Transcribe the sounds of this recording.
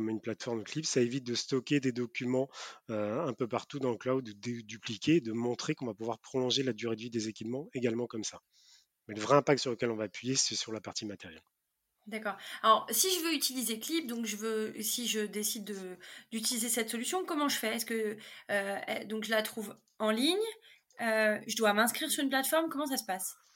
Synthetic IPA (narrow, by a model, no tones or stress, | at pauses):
m̃ynplat̪fɔʁmklipsaevit̪̚d̪əst̪ɔkʲed̪ed̪ɔkʲymɑ̃øɛ̃pøpaʁt̪ud̪ɑ̃əklawd̪ːəd̪ed̪yplikʲeːd̪əmɔ̃t̪χekɔ̃vapuvwaʁpχɔlɔ̃ʒelad̪yʁed̪vid̪ezekʲipmɑ̃eɡalmɑ̃kɔmsa | mɛləvʁɛɛ̃pak̚t̪syʁləkʲɛlɔ̃vaːpɥijesɛsyʁlapaʁt̪imat̪ɛʁjɛl | d̪akɔːʁalɔʁsiʒəvøyt̪ilizeklip̚d̪ɔ̃kʒəvøsiʒəd̪esid̪ːəd̪̥yt̪̬ilizesɛt̪sɔlysjɔ̃kɔmɑ̃ʒəfɛːskəː | d̪ɔ̃kʒəlat̪χuv | ɑ̃liɲ | øʒəd̪wamɛ̃skχiʁsyʁynplat̪fɔʁmkɔmɑ̃s̬asə̥pas